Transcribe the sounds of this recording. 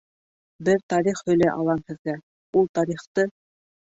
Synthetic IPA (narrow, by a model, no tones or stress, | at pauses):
bɘɾt̪ɑɾiχhɵ̆læʔɑlˠɑnhɘ̆ðɡæ | ulˠt̪ɑɾiχt̪ɤ